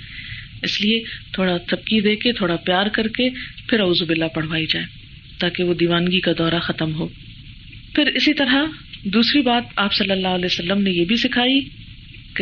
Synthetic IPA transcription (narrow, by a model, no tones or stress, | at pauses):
ɪsliet̪ʰoːɽat̪ɐb̚kid̪eːket̪ʰoːɽapjaːɾkɐɾkepʰɪɾɐuːzubɪlːapɐɽ̤ʋaːid͡ʒaːeː | t̪aːkeʋod̪iːʋaːnɡikad̪ɔːɾaxɐt̪əmɦoː | pʰɪɾɪsit̪ɐɾɦad̪uːsɾibaːt̪aːpsɐlːəlːaːɦəlɛːosɐlːəmnejebʱisɪkʰaːi | k